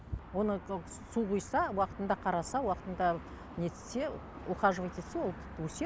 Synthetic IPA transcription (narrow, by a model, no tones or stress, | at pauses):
wo̞nə | suʁujsɑwɑqət̪ənd̪ɑqʰɑɾɑsɑwɑqə̥t̪ənd̪ɑ | nesse | uqɑʒəʁɑt̪ʲʰet̪sewolˠt̪ʰɪ̥pt̪ːwɵse